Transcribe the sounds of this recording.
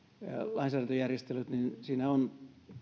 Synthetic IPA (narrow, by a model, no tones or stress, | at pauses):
lɑinsæːdɑnt̪ojærjest̪elut̪ninsiːnæon